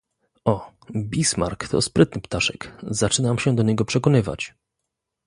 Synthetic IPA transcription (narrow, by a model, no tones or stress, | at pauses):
ɔ | bʲisma̰ɾkt̪ʰɔ̰spɾɘt̪̚nɘpt̪aʂɛkzat͡ʂɘnamɕɛd̪ɔɲɛɡɔpʂɛkɔnɘva̰t͡ɕ